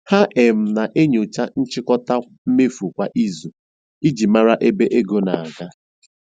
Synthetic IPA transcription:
ha˦ʔe˨m̩˦na˨ʔe˦ɲʊ˨t͡ʃa˦n̩˦t͡ʃɪ˦kɔ˦ta˦ | m̩˦me˦fu˨kʷa˨ʔi˦zu˨ | i˦d͡ʒi˨ma˦ɾa˦ʔe˦be˦ʔe˦ɡo˨na̰˨a˨ɡa˦

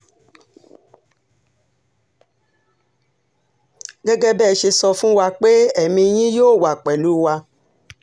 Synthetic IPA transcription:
ɡɛ˦ɡɛ˦bɛː˦˨˧ʃe˧sɔ˧fũ˦wa˧k͡pe˦ɛ˦˨mĩ˧j̃ĩ˦joː˦˨wa˨k͡pɛ˨lu˨˦wa˧

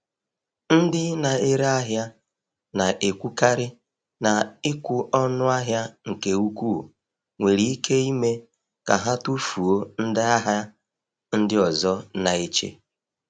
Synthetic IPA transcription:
n̩˦dɪ˦na˨e˦ɾa˦ɦja˦ | na˨ʔe˨kʷu˦ka˦ɾɪ˦ | na˨ɪ˦kʷʊ˨ʔɔ˦nʊ˦a˦ɦja˦ŋ̩˨ke˨u˦kʷu˦˨ | ŋʷe˨ɾi˨i˦kʰe˦i˦me˦ | ka˨ɦa˦tu˦fu˨o˦n̩˦dɪ˦a˦ɦa˦ | n̩˦dɪ˦ɔ˨zɔ˦na˨e˦t͡ʃḛ˦

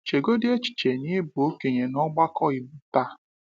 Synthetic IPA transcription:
t͡ʃe˨ɡo˦dɪ˦e˦t͡ʃi̥˨t͡ʃe˨ni˦bo˨˦ke˨ɲe˨nɔ˦ɡ͡ba˦kɔ˦i˨b̩˦˨˦pa˦

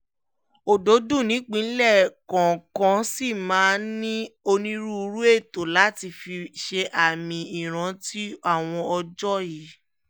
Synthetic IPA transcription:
o˨do˨˦dũ˦˨nĩ˨˦k͡pĩ˨˦lɛ˦˨kã˨kã˨˦si˦˨mãː˨˦nĩ˦o˧nĩ˦ɾu˦˧ɾu˦e˦˨to˨la˨˦ti˧fi˧ʃe˧ʔa˨mĩ˧i˨ɾ̃ã˨ti˦a˦˨w̃ɔ̃˧ɔ˧d͡ʒɔ˦ji˨˦

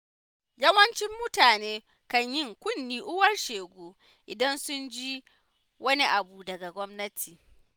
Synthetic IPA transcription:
jɐ˦wɐ˦nt͡ʃɪ˦mːʊ˦taː˨neː˦ | kɐ˦ɲjɪ˦ŋkʷʊ˦˨nːiː˦ʔʊ˦wɐ˦rʃeː˨ɡʷoː˦ | ʔɪ˨dɐ˦nsʊ˦nd͡ʒiː˦ | wɐ˦ni˦ʔa˨buː˨dɐ˨ɡa˨ɡʷɔ˦mnɐ˦tʰiː˨

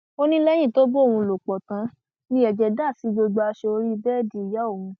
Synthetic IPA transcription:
o˦nĩ˦lɛ˦j̃ĩ˦˨to˦bo˦˨wũ˧lo˨k͡pɔ˨tã˨˦ | nĩ˦ɛ˨d͡ʒɛ˧da˦˨si˨˦ɡ͡bo˧ɡ͡bo˧a˧ʃe˧o˧ɾi˦˧bɛː˦˨di˧˨ja˨˦o˦˨wũ˧

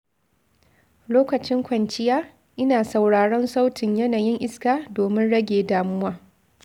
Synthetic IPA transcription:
loː˦kɐ˨t͡ʃɪ˦ŋkʷɐ˨nt͡ʃɪ˦jaː˦ | ʔɪ˦naː˨sa˨wɽaː˨ɽɔ˦nsa˦wtʰɪ˨ɲjɐ˦naː˨jɪ˦ŋʔɪ˦skaː˨doː˨mɪ˦nɽɐ˦ɡʲeː˨daː˨mʊ˦waː˦

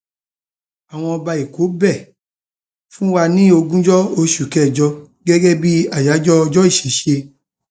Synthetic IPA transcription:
a˨w̃ɔ̃˧ɔ˧ba˧i˨ko˨˦bɛ˦˨ | fũ˦wa˧nĩ˦o˧ɡũ˦d͡ʒɔ˦o˧ʃu˨kɛ˦˨d͡ʒɔ˧ | ɡɛ˦ɡɛ˦bi˦a˦˨ja˨˦d͡ʒɔ˦ɔ˧d͡ʒɔ˦i˦˨ʃe˨˦ʃe˧

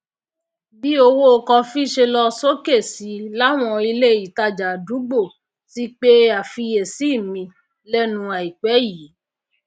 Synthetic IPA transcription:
bi˦o˧wo˦˧kɔ̃˧fi˦ʃe˧lɔ˧so˦ke˦˨si˨˦la˦w̃ɔ̃˧i˧le˦˨i˨ta˧˨d͡ʒa˨du˨˦ɡ͡bo˦˨ | si˦k͡pe˦a˨fi˧je˨si˦˨mĩ˧ | lɛ˦nũ˧a˨i˨k͡pɛ˨˦ji˨˦

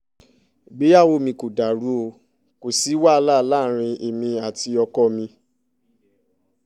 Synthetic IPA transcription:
ɡ͡be˨˦a˦˨wo˧mĩ˧ko˨da˨ɾu˨˦o˧ | ko˨si˨˦wa˦˧la˦˨˧la˦˨˦ɾ̃ĩ˧ʔe˨mĩ˧a˨ti˧ɔ˧kɔ˦mĩ˧

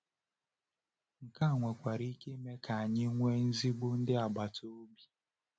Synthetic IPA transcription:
ŋ̩˨ka˦˨ŋʷe˨kʷa˨ɾi˦ke˦me˦ka˨a˨ɲɪ˦ŋʷe˦n̩˦zi˦ɡ͡bʊ˦n̩˦dɪ˦a˨ɡ͡ba˨to˦o˦bi˦

